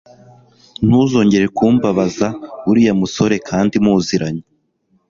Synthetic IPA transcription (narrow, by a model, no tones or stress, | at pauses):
n̥huːzo̞ːɲɟe̞ɾe̞kuːmbaβazaβuɾijamuso̞ɾe̞kʰaːndimuːziɾaɲo